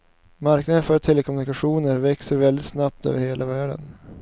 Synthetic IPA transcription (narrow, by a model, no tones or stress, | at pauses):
maɾknad̪ənfœɾt̪ʰɛləkʰɔmʉnɪkaɧuːnəɾvɛksəɾvɛld̪ɪt̪snap̚t̪ø̰ːvəɾheːlʔavæːɖə̰n